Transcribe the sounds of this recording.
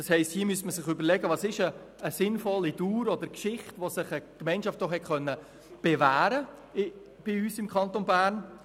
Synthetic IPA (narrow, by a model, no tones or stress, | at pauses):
d̥ɑshɛɪsthiːmyəstməsɪχøbəɾlɛɡəʋɑsɪʃəː | sɪnfɔlːiduːɾɔd̪əɾkʃɪχtʋosɪχəkmɛɪnʃɑft̚ːɔχhɛtχœnːə | b̥evæːɾə | b̥ɪyːsɪmkʰχɑnt̪onbæːɾn